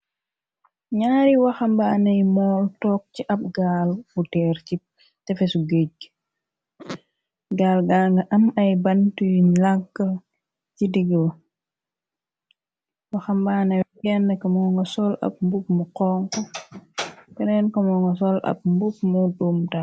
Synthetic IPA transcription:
ɲaːɾiwɐxɐmbaːnɐjmɔːltɔːk̚ciʔɐp̚ɡalmutɛːɾci | tɛfɛsuɡeɟ̚ | ɡaːlɡaŋɡɐʔɐmɐjbɐntujlakːɐ | cidiɡəl | wɐxɐmbaːnɐwɡɛnːəkɐmɔːŋɡɐsɔlɐ̰p̚mbupmuqɔːŋko | kɛnɛnkɐmɔŋɡɔsɔlɐ̰p̚mbup̚mudumta

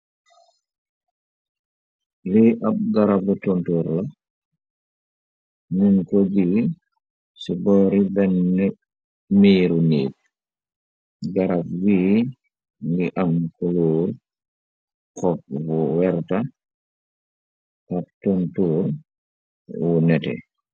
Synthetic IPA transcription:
liʔap̚ɡaɾabutontuːɾlɐ | nunkɔd͡ʒiɡi | sibɔːɾibɛnːɛ | miːɾuniːt̚ | ɡaɾab̚wi | ŋɡiʔamkuluːɾ | kɔp̚wuwɛɾta | ʔap̚tontuːɾ | wunɛtɛ̰

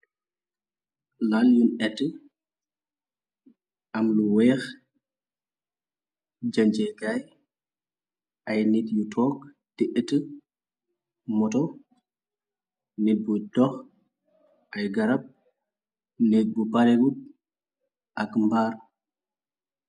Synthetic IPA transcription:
laljunɛtːə | ʔɐmluwɛːx | d͡ʒaɲd͡ʒɛɡaj | ʔɐjnitjutʰɔːk̚ | tiʔətːə | mɔtɔ | nit̚budɔx | ʔɐjɡɐɾɐp̚ | nɛt̚bupaɾewut̚ | ʔɐkmbaːɾ

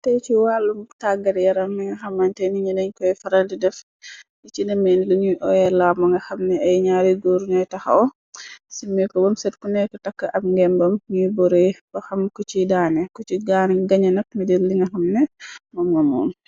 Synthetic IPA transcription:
tɛjt͡ʃiwalːumtaɡɐɾjɐɾɐmːiŋɡɐxɐmːɐntɛniɲɐdɐɲkɔjfɐɾɐldidɛf | it͡ʃidɐmɛniluɲujʔɔjɛlamɐŋɡɐxɐmnɛɐjɲaɾiɡoɾɲɔjtɐxa̰ɔ | simːɛkɔbɔmsɛtkunɛkɔtɐkːɐʔɐbŋɡɛmbɐmɲujbɔɾebɐxɐmkɔt͡ʃidaːnɛkɔt͡ʃiɡanɛɡɐɲɐnɐk̚midiɾlːiŋɡɐxɐmnɛmɔmɐmɔ̰ːm

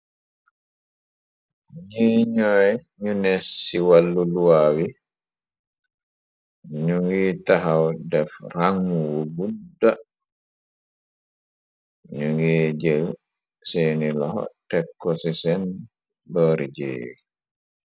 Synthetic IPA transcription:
ɲiɲɔjɲunɛsːiwalːuluwaːwi | ɲuŋɡitaɦawdɛfɾaŋwuɡudːa | ɲuŋɡid͡ʒel | sɛnilɔɦɔ̰tɛkʰːɔsisɛn | bɔɾid͡ʒḛːwi

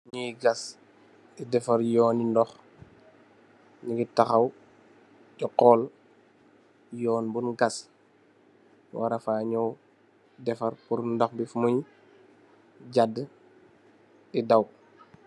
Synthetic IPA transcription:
ɲiɡas | idɛfaɾjɔːnindɔx | ɲiɡitaxaw | d͡ʒɔqɔl | jɔːnbunɡas | waɾafaːɲɔw | dɛfɐɾpuɾndɔxbifumuj | ɟad | idaw

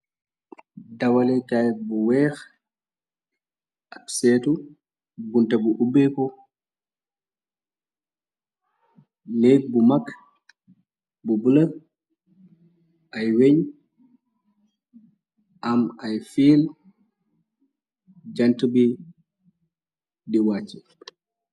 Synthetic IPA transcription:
dɐwɐlɛkaj̚buwɛːx | asɛːtu | buntɐbuʔubekɔ | neːk̚bumak | bubulɐ | ʔajweɲ | ʔamajfiːl | d͡ʒɐntəbi | diwat͡ʃːi

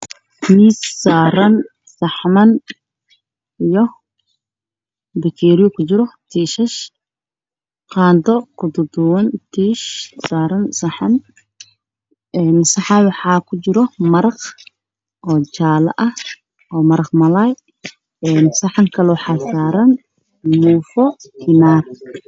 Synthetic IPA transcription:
t̪ʰiːssaːɾɐn | sɑħmɐn | ijɔ | bɛkʰɛːɾɪjɔkʰʊt͡ʃɪɾɔt̪ʰiːʃɛʃ | qɑːnd̪ɔkʰʊd̪ʊd̪ʊwɐnt̪ʰiːʃsaːɾɐnsɑħɑn | ɛːnsɑħɑnwɑħɑːkʰʊt͡ʃɪɾɔmɐɾɑq | ʔɔːt͡ʃaːlɐ̰ʔɐh | ɔːmɐɾɐqmɐlaj | ɛːnsɐħɑŋkʰɐlɛwɑħɑːsaːɾɐn | muːfɔkʰɪnaːr

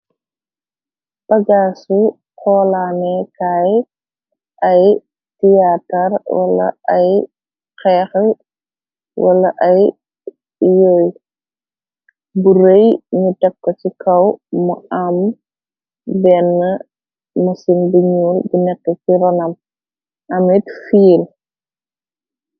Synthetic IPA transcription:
b̥ɐɡaːsu | kʰɔːlaːnɛkaːj | ʔɐj | tiatɐrwɐ̰lːɐ̰ɐj | kɛːx | wɐlːɐʔɐj | joːj | buɾejɲutɐkːɐt͡ʃikʰɐwmɐɐm | bɛnːə | mɐsinbiɲuːlbinɛkːət͡ʃiɾɔnɐm | ɐmitfiːl

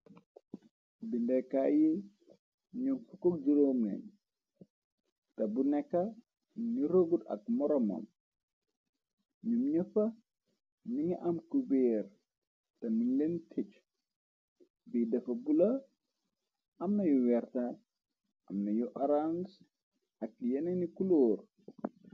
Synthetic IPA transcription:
bindɛkaji | ɲumfukok̚d͡ʒiɾoːmnɛ̰ɲ | tɐbunɛkːɐ | niɾoɡudɐ̰k̚mɔɾɔmɐ̰m | ɲumɲəfɐ | niŋiʔɐmkubeːɾ | tɐniŋlentʰet͡ʃ | bidɐfɐbulɐ | ɐmnɐjuwɛɾta | ɐmnɐjuʔɐɾans | ɐk̚jɐnenikuloːr

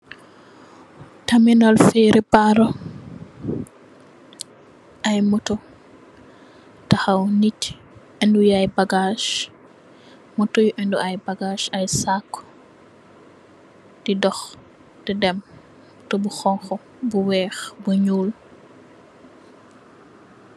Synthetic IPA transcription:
tɐminɔlfiːɾʔipaɾɔ | ɐjmutɔ | taxɐwnit | ɛndujajbaɡaʃ | mutujʔɛnduɐjbaɡaʃɐjsakː | d̥idɔx | dɛdɛm | tɔbuxɔŋxɔ | buwɛːxbuɲuːl

